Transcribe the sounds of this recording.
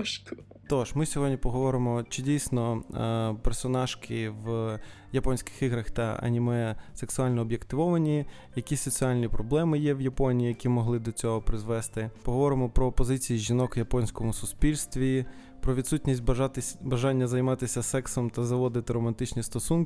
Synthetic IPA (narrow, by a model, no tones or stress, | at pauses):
t̪ɔʃmɪsʲɔɦɔdʲnʲipɔɦɔʋɔɾɪmɔt͡ʃɪdʲijsʲnɔ | persɔnɑʃkɪʋ | jɐpɔnʲsʲkɪ̥xiɦɾɐxt̪ɐɐ̰nʲimɛseksʊɑlʲnɔːbʲjekt̪ɪʋɔʋɐnʲi | jɐkʲisɔt͡sʲialʲnʲipɾɔblˠɛmɪjɛwjɐpɔnʲijijɐkʲimɔɦlˠɪd̪ɔt͡sʲɔɦɔpɾɪzʋɛst̪ɪpɔɦɔʋɔɾɪmɔpɾɔpɔzɪt͡sʲijiʒʲinɔkjɐpɔnʲsʲkɔmʊsʊspʲilʲst̪ʋʲi | pɾɔʋʲid̪sutʲnʲisʲt̚ʲt̪bɐʒɑnʲːɐzɐjmɑt̪ɪsʲɐsɛksɔmt̪ɐzɐʋɔd̪ɪt̪ɪɾɔmɐnt̪ɪt͡ʃnʲist̪ɔsunk